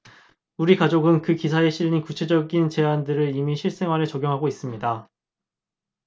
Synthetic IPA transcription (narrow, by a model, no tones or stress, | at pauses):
uɾikad͡ʑoɡɯnkɯkisʰaeɕʰiʎːinkut͡ɕʰe̞d͡ʑʌɡint͡ɕe̞andɯɾɯɭimiɕʰiɭs͈e̞ŋɦwanɯɭt͡ɕʌɡjoŋɦaɡois͈ɯmɲida